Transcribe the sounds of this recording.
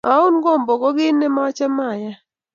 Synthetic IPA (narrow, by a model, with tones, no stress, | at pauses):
a˨˦u˦nɡɔ˦˨mbɔ˨ɡɔ˦ɡɪ˦nːɛ˦ma˦t͡ʃa˦ma˦˨ja˦